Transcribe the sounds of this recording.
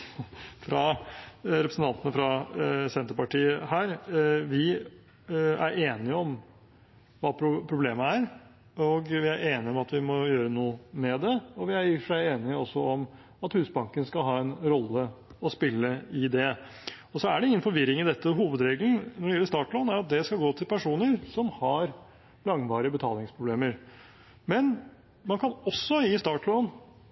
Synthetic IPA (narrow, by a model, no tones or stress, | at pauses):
fɾɑ | ɾɛpɾəsn̩t̪ɑnt̪ənəfɾɑsɛnt̪əɾpɑʈiːəhæːɾʋɪ | æɾeːnɪəɔm | ʋɑːpʰɾʊpʰɾʊbleːməæɾ | ɔɡʋɪæɾʔeːnɪɔmɑt̪ʋɪmɔjøːɾənuːəmɛd̪ɛɔʋɪæɾjiʂæɪeːnɪəɔsːɔɔm | ɑt̪hʉːsbɑŋkənskɑlɦɑːɛnɾɔlːəɔspɪlːəɪd̪ɛ | ɔsɔæɖɛɪŋːənfɔɾʋɪɾɪŋɪd̪ɛt̪ʰːəɦuːʋəd̪ɾeːɡln̩nɔɖɛjɛlːəʂst̪ɑːʈlɔːnæɾɑt̪̚d̪ɛskɑlɡoːt̪ʰɪlpʰæʂuːnəɾsɔmhɑɾ | lɑŋʋɑːɾɪəbət̪ʰɑ̰ːlɪŋspʰɾʊbleːməɾ | mɛn | mɑnkʰɑnɔsːɔɪst̪ɑːʈlɔːn